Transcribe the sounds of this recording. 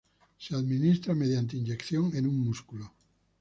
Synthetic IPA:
seaðminist̪ɾameðjant̪̬einʲd͡ʒekθjoŋenuŋmuskulo

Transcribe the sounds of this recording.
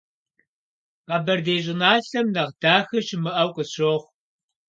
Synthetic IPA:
qɑbɐrdeːʑɪnaːɬɐmnɐʁd̥aːxɨʃɪmɨʔɐwqʼəɕoːχʷ

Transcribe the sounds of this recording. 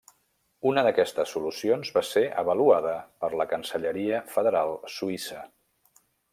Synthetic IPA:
unəðəkɛst̪əsːulusionzβaseʔə̰βəluaðəpəɾləkənsəʎəɾiəfəðəɾalˠsuisə

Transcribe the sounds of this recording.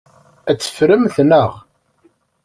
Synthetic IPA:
æt͡sːə̥fɾəmθnəʁ

